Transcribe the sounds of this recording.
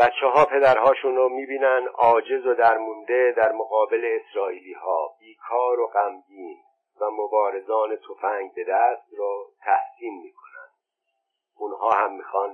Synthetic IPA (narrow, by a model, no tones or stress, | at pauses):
b̥æt̪t͡ʃʰːeɦɒːpʰe̞d̪æɾhɒːʃunromiːbiːnænd̪ʔɒːd͡ʒe̞zod̪æɾmund̪e̞d̪æɾmoɣɒːbele̞ːsɾɒːiːliːhɒːb̥iːkʰɒːɾoɢæmdiːn | væmobɒːɾe̞zɒːne̞t̪ʰofæŋɡ̚be̞d̪æst̪ɾɔt̪ʰæhsiːnmiːkʰo̞næ̰nd̪̥ | ʔunhɒːhæmːiːxɒːn